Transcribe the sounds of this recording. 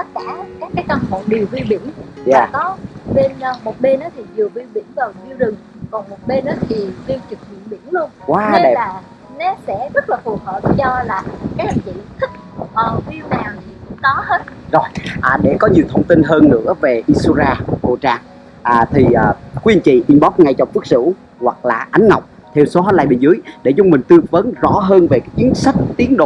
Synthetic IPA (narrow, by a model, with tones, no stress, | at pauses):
t̪ə˦˥t̚kaː˧˩kaː˦˥kːaː˨˦jka˧˩ŋ͡mfə̰˧˨ŋ͡mɗi˨˩əwvi˧wɓḭ˧˩ənjaː˨˩kɔ˨˦ɓe˧nː˧mo˨˩t̚ɓe˧nʔaː˨˦t̪ʰi˨˩zɨ˨˩əvi˧wɓi˧˩ənvaː˨˩wzi˧wzɨ˨˩ŋ | kɔ˨˩nmo˨˩t̚ɓe˧nʔaː˨˦t̪ʰi˨˩zi˧wt͡ɕɨ˨˩k̚vḭ˧˨ənɓḭ˧˩˥ənlu˧ənkwaː˨˧˦ne˧˨laː˨˩ | nɛ˦˥t̚sɛ̰˧˥zə˦˥t̚laː˨˩fu˨˩əhəː˨˩p̚t͡ɕɔ˧laː˨˩kaː˨˦jha˨˩ŋ̟t͡ɕḭ˧˨nt̪ʰï˦˥k̚ | ʔəː˨˩vi˧əwnaː˨˩wt̪ʰi˨˩kʊ̰˧˥ŋ͡mkɔ˨˦he˦˥t̚zo˨˩jʔaː˨˩ɗe˧˩kɔ˨˦ɲi˨˩əwt̪ʰə˧wŋ͡mt̪i˧nɦəː˧nːɨ̰˧˥əve˨˩ʔi˧su˧zaː˧ɓo̰˧˨t͡ɕaː˧ŋ | ʔaː˨˩t̪ʰi˨˩ʔəː˨˩kwi˨˦i˧˩ŋt͡ɕḭ˧˨ʔi˧nɓɔ˦˥t̚ŋa˧jt͡ɕɔ˧˩ŋ͡mfɨ˦˥ək̚sɨ̰˧˥ | hwa˨˩k̚la̰ː˨˩ʔa˨˦jŋ̟ŋa˨˩wk͡p̚ | t̪ʰe˧wso˨˦ɦɔː˨˦jlaː˧jɓe˧˩nzɨ˨˦əjɗḛ˧˩zʊ˧ŋ͡mmï˨˩ŋ̟t̪ɨ˧əvə˨˦nzɔ̰˧˥ɦəː˧nve˨˩kaː˨˦˥k̚t͡ɕi˨˦ənsa˦˥k̟̚t̪i˨˦əŋɗo̰˧˨